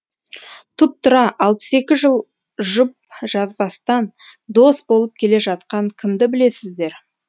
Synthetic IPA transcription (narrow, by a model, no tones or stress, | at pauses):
t̪ʰʊp̚t̪ʊɾɑʔɑlˠpə̥se̞kʲɪʒəlˠ | ʒʊp̚ʒ̥ɑzbɑst̪ɑn | d̪o̞st̪bo̞lˠəp̚kʲʰe̞le̞ʒɑt̪̚qɑŋkʲʰɪmd̪ɪbɪle̞sɪzd̪e̞ɾ